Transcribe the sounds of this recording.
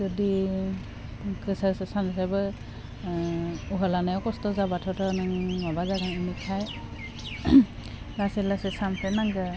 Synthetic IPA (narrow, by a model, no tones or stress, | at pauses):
zɔdi | kɯsasɛsanasabɯ | uɦɔlanajɔkɔstɔzabatʰɔtɔnaŋmɔbazaɡaŋɯmikʰaj | ɡasɛlasɛsampʰɛnaɡɯ